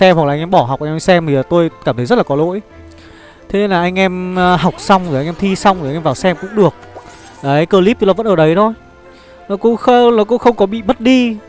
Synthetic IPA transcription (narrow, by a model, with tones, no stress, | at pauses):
sɛ˧mha˨˩lːa˧jŋʔɛ˧ɓɔ˧˩ha˨˩wk͡p̚ʔa˧ŋɛ˧sɛ˧mt̪ʰi˨˩laː˨˩t̪o˧jkaː˧˩mt̪ʰə˨˦jzə˦˥tla˨˩ɔ˨˦lo̰˧˥j | t̪ʰe˨˦e˧nlaː˨˩ʔa˧jŋ̟ʔɛ˧mː˧ɦa˨˩wk͡p̚sa˧wŋ͡mzo˨˩jʔa˧j̟ʔɛ˧mt̪ʰi˧sa˧wŋ͡mzo˨a˨˧ŋʔɛ˧vaː˨˩wsɛ˧mkʊ̰˧˥ŋ͡mɗɨ˨˩ək̚ | aː˨˩a˨˦jkəː˧li˦˥p̚t̪ːlɔ˧˦və̰˧˥nʔəː˧˩ɗə˨˦jt̪ʰo˧j | nɔ˨˦kʊ̰˧˥ŋ͡mxə˧nɔ˨˦k̬ʊ̰˧˥ŋ͡mxə˧wŋ͡mkɔ˨˦ɓḭ˧˨mə˦˥t̚ɗi˧